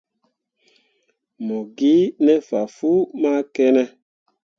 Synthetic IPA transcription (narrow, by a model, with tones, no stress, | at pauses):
mɔ˨ɡi˦nɛ˦fa˨fu˦ma˦kɛ˦nɛ˦